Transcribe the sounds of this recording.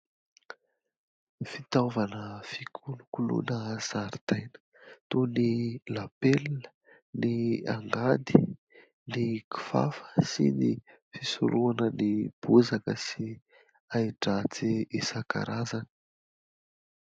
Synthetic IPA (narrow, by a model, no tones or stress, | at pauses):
fit̪avanəfikʰulukulṵnəz̥aɾit̪ajnə̥ | t̪unilapelːə̥ | nia̰ŋɡad̪i | niki̥fa̰fə̥sḭni | fisṵɾʔuanənib̥uzakəsi | aiʈ͡ʂat͡siisaka̰ɾʔazanə̥